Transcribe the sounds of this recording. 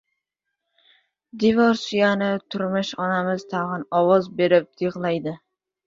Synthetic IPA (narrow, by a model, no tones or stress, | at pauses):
d̪ivoɾsijanɪt̪ʰʊɾmʊʃɒnamɪzt̪ʰaʁɨnɒwɒzbe̞ɾɪp̚d̪̥iʁlˠajd̪ɪ